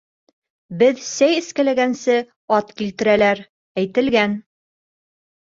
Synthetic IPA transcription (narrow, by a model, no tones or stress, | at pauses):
bɘðsæjɘ̆skælæɡænsɘ | ɑt̪kilt̪ɘ̆ɾælæɾ | æjt̪ɘ̆lɡæn